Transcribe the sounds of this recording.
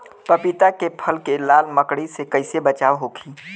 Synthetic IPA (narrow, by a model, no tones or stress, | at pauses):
pəpit̪akepʰəlkelaːlməkɽisekəɪsebət͡ʃaːʋɦokʰiː